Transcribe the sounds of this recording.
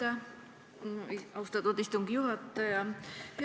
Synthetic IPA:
ɑ | ɑwst̪ɑt̪ud̪ist̪uŋɡijuɦɑt̪ːɑjɑpi

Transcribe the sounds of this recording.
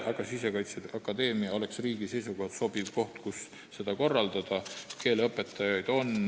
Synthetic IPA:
ɑɡ̥ɑsise̞kɑjt̪seʔɑkːˑɑd̪e̞ːmiɑo̞le̞ksriːɡise̞jsuɡo̞hd̪̥so̞b̥ivko̞ht̪kusː | e̞d̪̥ɑko̞rːɑld̪ɑd̪̥ɑke̞ːleɤpːˑe̞t̪ːˑɑjɑjd̪̥o̞n

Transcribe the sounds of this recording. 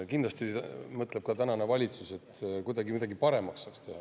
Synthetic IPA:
kind̪lɑst̪imɤt̪ːle̞b̚kɑt̪ænɑnevɑlʲit̪suse̞t̪kujd̪ɑɡimid̪ɑɡipɑɾe̞mɑksːɑːkst̪ehɑ

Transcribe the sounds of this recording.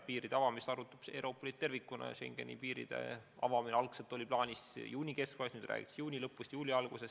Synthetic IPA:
piːɾid̥̪eɑvɑmist̪ɑɾut̪ːˑu̥b̥sḛwɾo̞ːpːˑolit̪̚t̪ːe̞rvikːˑunɑ̰ʃe̞̰ŋɡ̥e̞̰nḭpiːɾḭd̪̥e̞̰ɑ̰vɑmineɑlkselt̪ːˑo̞lʲiplɑːnʲisjuːnʲike̞skvɑsnyːd̪ræ̰ːɡḭt̪ɑ̥sjuːnʲilɤpːˑust̪juːlʲiɑlɡ̥use̞s

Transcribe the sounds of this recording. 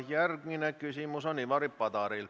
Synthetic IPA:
jærɡminekysimusoniʋɑɾipːɑd̪ɑɾil

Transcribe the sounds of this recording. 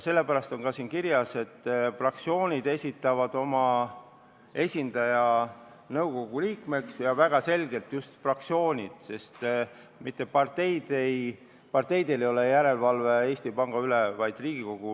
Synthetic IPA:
se̞lːe̞pæɾɑst̪o̞ŋkɑsiːnkiɾjɑse̞t̪ːfrɑkt̪sio̞ːnʲid̪e̞sʲit̪ːˑɑvɑd̪̥o̞mɑ | e̞sʲind̪̥ɑjɑ | nɤwɡ̥o̞ɡ̥uliːkme̞ksjɑvæɡ̥ɑse̞lɡ̥e̞lt̪just̪frɑk̚t̪sio̞ːnʲid̪̥se̞st̪ | mit̪ːˑe̞pɑrt̪e̞jd̪̥ej | pɑrt̪e̞jd̪̥e̞lejo̞le̞jæɾe̞lvɑlve̞e̞ːsʲt̪ipɑŋɡ̥ɑyle̞vɑjd̪̥riːɡ̥iko̞ɡ̥u

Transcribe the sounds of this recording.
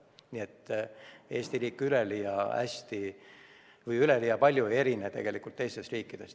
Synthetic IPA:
nie̞t̪ː | e̞ːsʲt̪iɾiːkːˑylelijɑæ̰sʲt̪i | vɯjyle̞lijɑpɑlʲjuee̞ɾinet̪e̞ɡ̥e̞likˑult̪t̪ːe̞jst̪e̞sriːkˑːid̪̥e̞s

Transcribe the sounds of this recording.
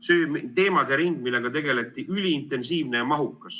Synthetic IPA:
søːmt̪e̞ːmɑd̪eɾiŋɡ̥̚milːe̞ɡ̥ɑt̪e̞ɡe̞le̞t̪ːˑiʔylʲiːnt̪ˑe̞nsiːvne̞ɑmɑɦukˑːɑs

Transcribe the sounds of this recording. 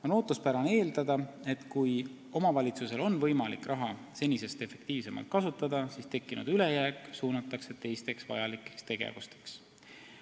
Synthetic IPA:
ono̞ːt̪ːˑuspæɾɑneːld̪ɑd̪̥ɑe̞t̪kuj | o̞mɑvɑlʲit̪suse̞lo̞nvɤjmɑlikrʔɑɦɑ | se̞nʲise̞st̪e̞fe̞kt̪iːvse̞mɑ̰lt̪̚kɑsut̪ːˑɑd̪̥ɑsist̪e̞kːˑinṵd̪̥yle̞jæːkːˑsuːnɑt̪ːˑɑkset̪ːe̞jst̪e̞ksvɑ̰jɑlikːˑe̥st̪e̞ɡ̥ḛvust̪e̥ks

